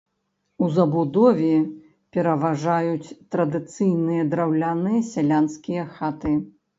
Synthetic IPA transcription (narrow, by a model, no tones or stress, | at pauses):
uzɐbud̪ɔvʲɛ | pʲɛɾɐvaʐajut͡sʲt̪ɾɐd̪ɨt̪sɨjnɨjɐd̪ɾawlʲanɨjɐsʲalʲanskʲijɐxat̪ɨ